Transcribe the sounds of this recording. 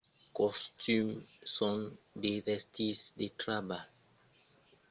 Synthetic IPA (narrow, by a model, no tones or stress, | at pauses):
kɔstymsɔ̃ndevɛstʰisdetɾabal